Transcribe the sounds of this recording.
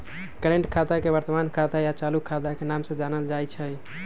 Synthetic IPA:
kəɾeɳʈkʰat̪akebəɾt̪əmankʰat̪ajat͡ʃalukʰːat̪akenamsə̃d͡ʒanəld͡ʒajt͡ʃʰəj

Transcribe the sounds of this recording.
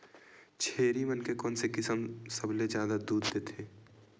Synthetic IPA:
t͡ʃʰeːɾimənkekɔːnsekɪsəmsəbled͡ʒjaːd̪ad̪uːd̪d̪eːt̪ʰeː

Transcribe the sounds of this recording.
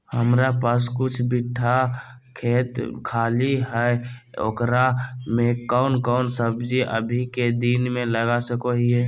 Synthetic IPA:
həmɾapaskʊt͡ʃʰbiʈʰːakʰeːt̪kʰaːliɦɛe | o̰kɾamekɔʊnkɔʊnsəbd͡ʒiʔə̰bʱiked̪inmẽləɡasəkoɦiɛ

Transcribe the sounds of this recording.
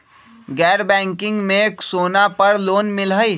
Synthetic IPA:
ɡɛːɾbɛ̃ːŋkɪ̃ŋɡmẽksoːnapəɾloːnmɪlɦəi

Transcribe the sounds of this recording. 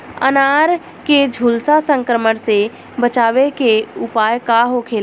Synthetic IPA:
ə̰naːɾ | ked͡ʒʱuːlsasə̃ŋkɾəməɽse | bət͡ʃaːʋekeʊpaːjkaɦokʰeːl

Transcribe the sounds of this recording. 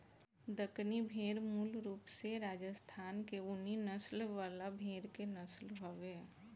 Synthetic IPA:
d̪əknibʱeːɾmuːlɾuːpseɾaːd͡ʒəst̪ʰaːnkeʊninəslʋaːlabʱeːɾkenəslɦoʋeː

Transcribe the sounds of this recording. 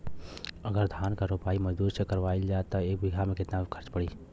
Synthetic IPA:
əɡəɾd̪ʱaːnkaɾopaːiməd͡ʒd̪uːɾsekəɾʋaild͡ʒat̪ɔeːk̚bɪɡʱamẽkɪt̪nakʰəɾt͡ʃpəɽi

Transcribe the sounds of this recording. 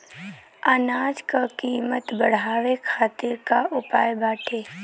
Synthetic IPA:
aːnaːd͡ʒkakiːmət̪bəɽ̤aːʋekʰaːt̪ɪɾkaʊpaːjbaːʈʰeː

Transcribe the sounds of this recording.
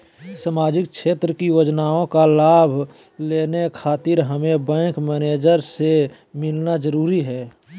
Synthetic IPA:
saːmaːd͡ʒɪk̚ʃeːt̪ɾəkiʋəd͡ʒnaːõkalaːbʱ | leːnekʰaːt̪ɪɾɦəmebɛ̃ːŋkmɛːneːd͡ʒəɾse | mɪlnad͡ʒəɾuːɾiɦɛː

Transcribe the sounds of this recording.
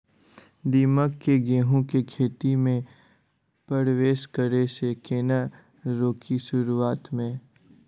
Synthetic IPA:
d̪iːməkːeɡeːɦũkekʰeːt̪imẽ | pɾəɾʋeːʃkəɾesekeːna | ɾoːkʰiʃʊɾuaːt̪mẽː

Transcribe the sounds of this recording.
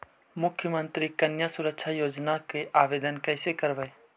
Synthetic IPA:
mʊkʰːjəmə̃nt̪ɾikənjasʊɾəkʃʰajoːd͡ʒnakeʔaːʋeːd̪ənkəɪsekəɾbəe

